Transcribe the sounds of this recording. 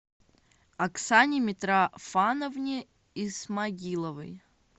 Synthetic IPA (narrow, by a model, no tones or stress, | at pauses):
ɐksanʲɪmʲɪt̪ɾafanəvnʲi | ismaɡʲilˠəvɨ̰j